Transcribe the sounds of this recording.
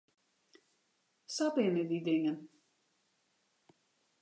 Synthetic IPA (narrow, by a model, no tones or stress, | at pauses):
sapɪnədidɪŋən